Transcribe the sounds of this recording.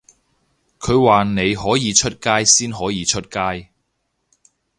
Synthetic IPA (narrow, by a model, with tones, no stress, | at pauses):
kʰɵ˨˧ɥwaː˨ne˨˧jɦɔː˨˥jiː˨˧t͡ʃʰɵ˥t̚kaː˥jsiː˥nɦɔː˨˥jiː˨˧t͡ʃʰɵ˥t̚kaː˥j